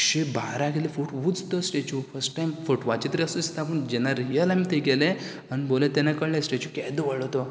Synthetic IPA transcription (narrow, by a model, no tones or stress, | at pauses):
kɕebaɾãɡelefuʈʋud͡zt̪əsʈet͡ɕufəsʈʈajmfəʈʋat͡ɕet̪əɾiəsusi̥t̪apund͡ʑɛnaɾjəlamiːt̪eɡele | añibolẽt̪enakəɽlẽsʈet͡ɕukɛjd̪əʋəɭɔt̪ɔ